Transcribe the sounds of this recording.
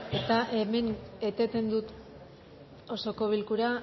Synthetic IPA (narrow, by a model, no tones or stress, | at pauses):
e̞t̪aʔeme̞ne̞t̪e̞t̪e̞nd̪ut̪ | o̞so̞ko̞β̞ilkuɾa